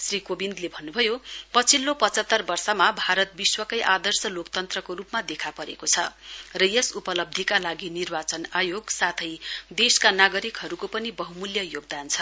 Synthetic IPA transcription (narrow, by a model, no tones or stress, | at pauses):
srikobind̪lebʱʌnːubʱʌjopʌt͡sʰilːopʌt͡sʌt̪ːʌrbʌrsʌmabʱaɾʌt̪̚biswʌkʌjʔad̪ʌrsʌlokt̪ʌnt̪rʌkoɾupmad̪ekʰapʌɾḛkot͡sʰʌrʌjʌsupʌlʌb̚d̪ʱikalaɡinirbat͡sʌnajoɡsat̪ʰʌjd̪eskanaɡʌɾikɦʌɾukopʌnibʌɦumuljʌjoɡ̚d̪ant͡sʰʌ